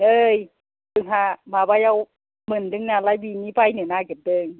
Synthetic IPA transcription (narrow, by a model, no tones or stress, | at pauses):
ʔɤːj | bɯŋɦamaːbajʔaw | mɯndɯŋnaːlajbiniːpajnɯnaːkɯt̚dɯːŋ